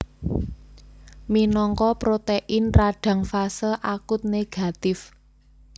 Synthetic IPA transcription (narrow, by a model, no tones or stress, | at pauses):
minɔŋkɔpɾot̪eʔɪnraɖ̥ä̤ŋfasəʔakʊt̪̚neɡ̥a̤t̪ɪf